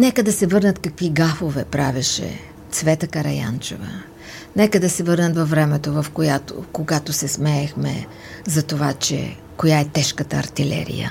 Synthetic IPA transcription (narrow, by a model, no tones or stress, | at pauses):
nɛkəd̪ɐsɛvɤɾnət̪kɐkviɡafovɛpɾavɛʃɛ̰ | t̪svɛt̪əkɐɾɐ̰ja̰nt͡ʃɛ̰və̰ | nɛkəd̪ɐsɛvɤɾnət̪vɐfvɾɛmɛt̪ovɐfkojat̪o̰koɡat̪osɛsmɛːxmɛ̰ | zɐt̪ovat͡ʃɛ̰ | kojaɛt̪ɛʃkət̪ə̰ːɾt̪ilɛ̰ɾḭjə̰